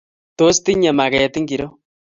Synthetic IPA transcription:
to˦st̪i˦ɲa˨ma˨ka˨ja˨t̪i˦ŋɡi˨ɾo˦

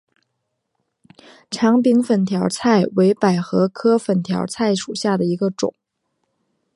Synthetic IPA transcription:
ʈ͡ʂʰɑ˧˥ŋpi˧˥ŋfə˨˩nt̪ʰjɑ˧˥ʊt͡sʰa˥˩ɪwe˧˥ɪpa˨˩ɪxɤ˧˥kʰɤ˥fə˨˩nt̪ʰjɑ˧˥ʊt͡sʰa˥˩ɪʂu˨˩ɕja˥˩d̪ə˩i˧˥ɡə˧ʈ͡ʂʊ̰˨˩˦ŋ

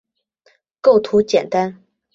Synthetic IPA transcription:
ko˥˩ʊt̪ʰu˧˥t͡ɕjɛ˨˩nt̪a˥n

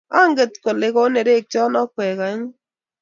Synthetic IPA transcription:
a˦ŋɡe˨tko˨le˨ko˦ne˨ɾe˦˨k̚t͡ʃɔ˦nɔ˦kwɛ˨ka˨˦ɲ˦

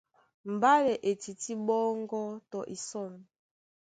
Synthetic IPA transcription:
m̩˨ba˦lɛ˨ʔe˨ti˨ti˦bɔ˦ŋɡɔ˦tɔ˨ʔi˨sɔ˦˨n˨

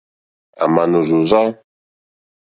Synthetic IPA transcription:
a̰˨ma˨nu˨zu˨za˦

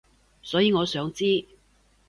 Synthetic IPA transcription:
sɔː˨˥jiː˨˧ŋɔː˨˧sœː˨˥ŋt͡siː˥

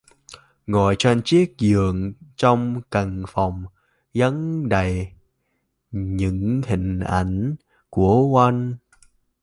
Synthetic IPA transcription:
ŋɔ˧˨jt͡ɕwe˧nt͡ɕi˦˥ək̚zɨ˨əŋt͡ɕɔ˧wŋ͡mkə˨˩ŋfɔ˨˩wŋ͡m | zə˨˦ŋɗə˨˩j | ɲɨ̰˧˥ŋhï˨˩ŋ̟ʔa˧˩jŋ̟ | ku˧˩əʔwa˧jŋn

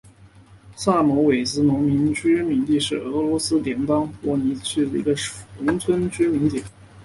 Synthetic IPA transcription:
sa˥˩mɔ˧˥we˨˩ɪt͡sɹ̩˥nʊ˧˥ŋmi˧˥nt͡ɕy˥mi˧˥ŋt̪i˥˧ʂɻ̩˥˩ɤ˧˥lwɔ˧˥sɹ̩˥t̪jɛ˧˥npɑ˥ŋwɔ˧˥˩ni˧˥t͡ɕʰy˥˩d̪ə˨˩ḭ˧˥ɡə˧ʂʊ˧˥ŋt͡sʰwə˥nt͡ɕy˥mi˧˥ŋt̪jɛ˨˩˦n

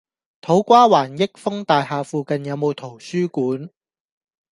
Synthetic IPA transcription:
t̪ʰo˨˥wkʷaː˥waː˨˩njɪ˥k̚fʊ˥ŋt̪aː˨jhaː˨˧fuː˨kɐ˨njɐ˨˧wmo˨˧wt̪ʰo˨˩wsyː˥kuː˨˥n

